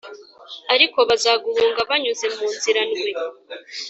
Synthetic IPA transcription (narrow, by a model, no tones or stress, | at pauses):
aɾiko̞βazaːɡuhuːŋɡaβaɲuze̞muːnziɾanɡwe